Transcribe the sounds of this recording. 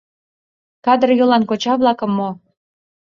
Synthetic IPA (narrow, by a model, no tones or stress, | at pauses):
kɑd̪ərjɤ̆lɑnkot͡ɕɑβlˠɑkɤ̆mːo